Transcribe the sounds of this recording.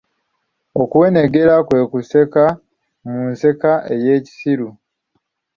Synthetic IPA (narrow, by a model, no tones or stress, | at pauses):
okuwe̞neɡe̞ɾakwe̞ːkuseka | munse̞kaʔe̞jeːci̥siɾu